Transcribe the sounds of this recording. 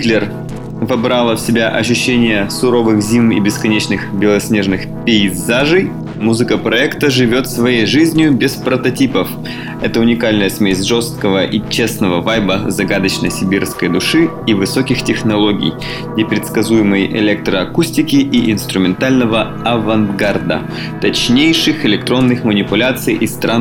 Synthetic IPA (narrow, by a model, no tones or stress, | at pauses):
t̪lʲɪr | vɐbɾalˠəfsʲɪbʲaʔɐɕːʉɕːenʲɪjəsʊɾo̞vɨxzʲimḭbʲɪskɐnʲet͡ɕnɨxbʲɪlˠɐsʲnʲe̞ʐnɨxpʲɪɪzaʐɨj | muzɨkəpɾɐɛkt̪əʐɨvʲo̞t̪svɐjejʐɨzʲnʲɪjʊbʲɪspɾət̪ɐtʲipəf | ɛt̪əʊnʲɪkalʲnəjəsmʲesʲʐo̞st̪̚kəvəʔit͡ɕe̞snəvəvajbəzɐɡad̪ət͡ɕnəsʲɪbʲirfskəjd̪ʊʂɨ | ivɨsokʲɪxtʲɪxnɐlˠoɡʲɪ̰j | nʲɪpɾʲɪt̪skɐzujɪmɨjʔɪ̰lʲek̚t̪ɾəɐkusʲtʲɪkʲɪʔiʔɪnst̪ɾʊmʲɪnt̪alʲnəvə | ɐvɐnɡard̪ə̰ | t̪ɐt͡ɕnʲejʂɨxɪlʲɪk̚t̪ɾo̞nːɨxmənʲɪpʊlʲat̪sɨjʔist̪ɾa